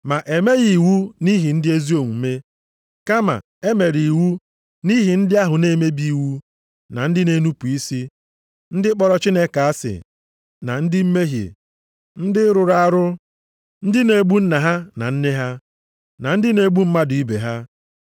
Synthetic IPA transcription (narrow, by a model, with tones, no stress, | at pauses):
ma˨ʔe˨me˦ɣi˨wu˦ni˦ɦi˨n̩˦dɪ˦e˦zi˦o˨ŋʷu˨˦me˦ | ka˦ma̰˨ | e˦me˨ɾi˨wu˦ | ni˦ɦi˨n̩˦dɪ˦a˦ɦʊ˨ne˦me˦bi˦i˦˨wu˦ | na̰˨n̩˦dɪ˦ne˦nu˦pu˨i˦si˦ | n̩˦dɪ˦k͡pɔ˦ɾɔ˦t͡ʃi˦ne˦ka˨a˦sɪ̰˨ | na̰˨n̩˦dɪ˦m̩˦me˦ɦḛ˨ | n̩˦dɪ˦ɾʊ˨ɾa˦ɾʊ˦ | n̩˦dɪ˦ne˨ɡ͡bu˦n̩˦na˨ɦa˦na̰˨n̩˦ne˦ɦa˦ | na˨n̩˦dɪ˦ne˨ɡ͡bu˦m̩˦ma˦dʊ˨i˦bḛ˨ɦa˦